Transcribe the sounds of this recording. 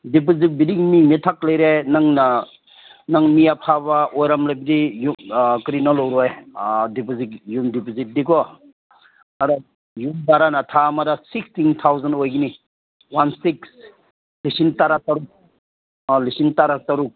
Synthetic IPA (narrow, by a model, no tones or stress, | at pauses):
dip̬ozit̚bidiŋmiŋmitʰak̚lajɾenaŋna | naŋmijapʰabaojɾamlajbidijukɾinɔlowɾɔjdipozikjumdipozit̚dikɔ | aɾɔ | jumbaɾanatʰamadasikstintʰawzanojɡini | wansiks | lisintaɾataɾuk̚ | lisintaɾataɾuk̚